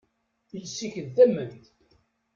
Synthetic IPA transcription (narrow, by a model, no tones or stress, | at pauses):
jsːiçəðæmənt̪